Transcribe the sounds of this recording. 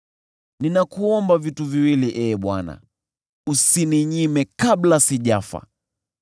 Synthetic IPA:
ninakuɔmbavituviwiliʔɛɓwana̰ | usiniɲimɛkablasiʄafa̰

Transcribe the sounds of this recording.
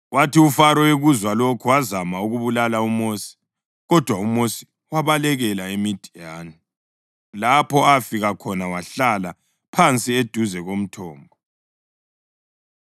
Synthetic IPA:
wʔatiufaɾɔweɣuzwalokʰuwazamauɣuβulalaumoːsi̥ | ɣɔd̥ʱwaumosi̥ | waβalɛɣɛlaemid̥ʱijaːni | lapʰɔafiɣakʰɔnawaɬala | pʰant͡sʼied̥ʱuzɛɣom̩tʰɔːmbʱɔ

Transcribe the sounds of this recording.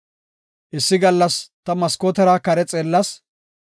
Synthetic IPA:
ʔɪsːɪɡɐlːɐst̪ɐmɐskoːt̪ɛɾaːkɐɾɛt͡sʼeːlːɐs

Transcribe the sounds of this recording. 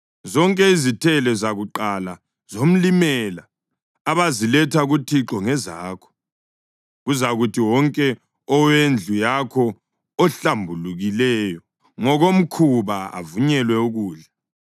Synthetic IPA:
zɔŋkʼɛizitʰɛlɛzaɣuǃala | z̥om̩limɛlaː | βazilɛtʰaɣutʰiǁɔŋɛzaːkʰɔ̥ | ɣuzaɣutʰiwɔŋkʼɛ | ɔwend͡ɮʱujakʰɔː | ɬambʱuluɣilɛjɔ | ŋɔɣom̩kʰuβaa̰vuɲɛlwɛuɣuːɮa

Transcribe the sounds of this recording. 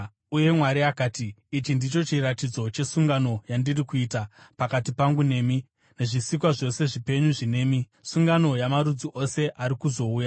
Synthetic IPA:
uje̞mwaɾiakaːtiːt͡ʃindit͡ʃo̞t͡ʃiratid͡zo̞t͡ʃe̞suŋɡano̞jandirikuiːtapakatipaŋɡune̞ːmi | ne̞ʐisik̬waʐo̞se̞ʐipe̞ɲuʐine̞ːmi | suŋɡano̞jamaɾud͡ziʔo̞se̞ʔaɾikuzo̞uːja

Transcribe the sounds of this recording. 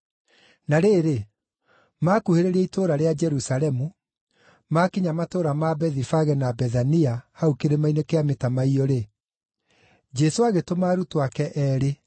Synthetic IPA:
naɾeːɾe | maːkuheɾeɾɛitoːɾaɾead͡ʒɛɾusaɾɛmu | makiɲamatoɾamabɛðifaɣɛnabɛðaniahaukeɾemainekeametamaiɔɾe | d͡ʒɛsoaɣetomaːɾutowakɛʔɛːɾe

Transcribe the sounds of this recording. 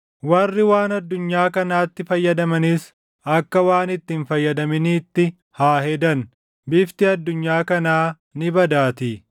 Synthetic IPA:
wɐrːɪwaːnɐd̪ːʊɲːaːkɐnaːt̪ːɪfɐjːɐd̪ɐmɐnɪs | ɐkːɐwaːnɪt̪ːinfɐjːɐd̪ɐmɪniːt̪ːɪ | haːhɛd̪ɐn | bɪft̪ɪɐd̪ːʊɲːaːkɐnaː | nɪbɐd̪aːt̪i

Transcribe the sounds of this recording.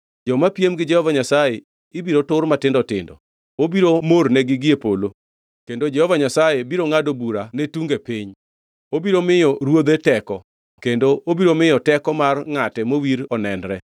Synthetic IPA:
d͡ʒɔmapjemɡɪd͡ʒɛhɔvaɲasaje | ɪbiɾotʊrmatɪndɔtɪ̰ndɔ̰ | obiɾomornɛɡɪɡɪepolo | kendod͡ʒɛhɔvaɲasajebiɾoŋadobuɾanetuŋɡepiɲ | obiɾomɪjɔɾwod̪etɛkɔ | kendoʔobiɾomɪjɔtɛkɔmarŋatɛmowiɾɔnɛndɾɛ

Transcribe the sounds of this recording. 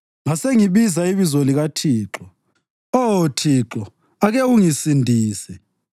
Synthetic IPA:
ŋaseŋiβizaiβizoliɣatʰiːǁɔ | otʰiːǁɔ | aɣɛuŋisindʱiːsɛ

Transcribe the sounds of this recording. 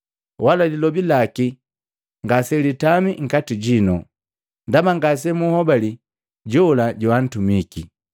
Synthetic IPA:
walalilɔbilaki | ŋɡasɛlitamiŋ̩katiɟinɔ | ndamaŋɡas̬ɛmuhɔbali | ɟɔlaɟɔwan̩tumiki

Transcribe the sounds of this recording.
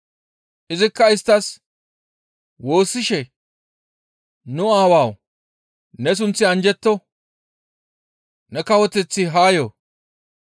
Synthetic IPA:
ʔɪzɪkːɐɪst̪ːɐs | wo̞ːsːɪʃɛ | nʊaːwaːw | nɛs̬ʊnt͡sːɪɐnd͡ʒɛt̪ːɔ | nɛkɐwɔt̪ɛt͡sːɪɦaːjoː

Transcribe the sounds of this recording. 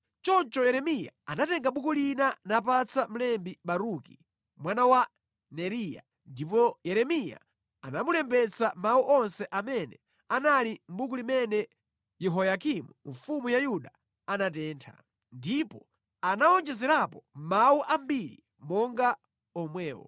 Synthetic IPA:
t͡ʃɔnt͡ʃɔjɛɾɛmija̰anatɛŋɡaɓukulinanapat͡sam̩lɛmbiɓaɾuki | mwanawa | nɛɾija̰ | ndipɔjɛɾɛmija̰ | anamulɛmbɛt͡sʰamauʔɔnsɛʔamɛnɛ | analim̩buk̬ulimɛnɛ | jɛɦɔjakimuɱfumujajuɗa | anat̬ɛːntʰa̰ | ndipɔ | anaɔnd͡ʒɛzɛɾapɔmauʔam̩biɾḭ | mɔŋɡa | ɔmwɛːwɔ̰

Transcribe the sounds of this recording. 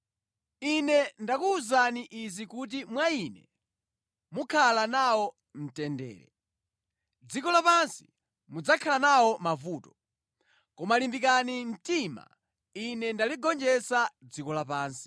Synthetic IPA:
inɛndakuːzaniʔizikut̬imwainɛ̰ | mukʰalanawɔ | m̩tɛndɛ̰ːɾɛ̰ | d͡zikɔlapansi̥ | mud͡zakʰalanawɔmavuːtɔ | kɔmalimbik̬anin̩tima̰ | inɛndaliɡɔnd͡ʒɛsad͡zikɔlapaːnsi̥

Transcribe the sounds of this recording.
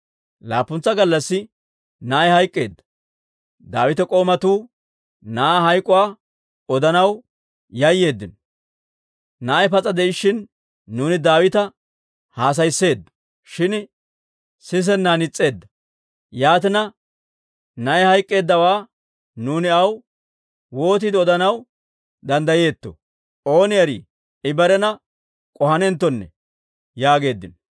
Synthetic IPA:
laːpːʊnt͡sːɐɡɐlːɐsːɪ | naːjhɐjkʼːe̞ːd̪ːɐ | d̪aːwɪt̪ɛkʼo̞ːmɐt̪uː | naːɦɐjkʼʊwaː | ɔd̪ɐnɐw | jɐjːe̞ːd̪ːɪn | naːɛpɐt͡sʼːɐd̪ɛɪʃːɪnː | uːnɪd̪aːwɪt̪ɐ | haːs̬ɐjsːe̞ːd̪ːɐ̥ | ʃɪn | sɪs̬ɛnːaːnɪt͡sʼːe̞ːd̪ːɐ | jaːt̪ɪnɐ | nɐɛhɐjkʼːe̞ːd̪ːɐwaː | nuːnɪɐw | wo̞ːt̪ɪd̪ɪɔd̪ɐnɐw | d̪ɐnd̪ɐje̞ːt̪ːɔ̰ | o̞ːnɪjɐɾḭ | ɪbɐɾɛnɐ | kʼɔhɐnɛnt̪ːɔnːɛ̰ | jaːɡe̞ːd̪ːɪnɔ

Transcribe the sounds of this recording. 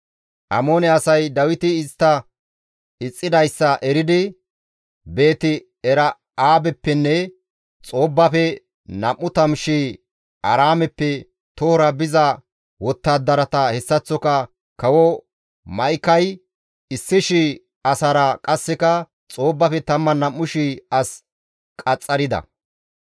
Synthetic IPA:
ʔɐmoːnɛɐsɐjd̪ɐwɪt̪ɪɪst̪ːɐ | ɪt͡sʼːɪd̪ɐjsːɐʔɛɾɪd̪ɪ | be̞ːt̪ɪ | ɛɾɐ | aːbɛpːɛnːɛ | t͡sʼo̞ːbːɐfɛ | nɐmːʊt̪ɐmʃiː | ʔɐɾaːmɛpːɛ | t̪ɔhɔɾɐbɪzɐ | wɔt̪ːaːd̪ːɐɾɐt̪ɐhɛsːɐt͡sːɔkɐ | kɐwɔ | mɐjkɐj | ɪsːɪʃi | ɐsɐɾɐkʼɐsːɛkɐ | t͡sʼoːbːɐfɛt̪ɐmːɐnɐmːʊʃiɐs | kʼɐt͡sʼːɐɾɪd̪ɐ̰

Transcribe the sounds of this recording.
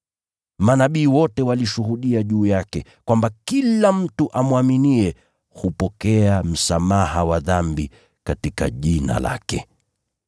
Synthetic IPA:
manaɓiːwɔtɛwaliʃuhuɗiaʄuːjakɛkwambakilam̩tuʔamwaminiɛ | hupɔkɛam̩samahawaðambi | katika̰ʄina̰la̰kɛ

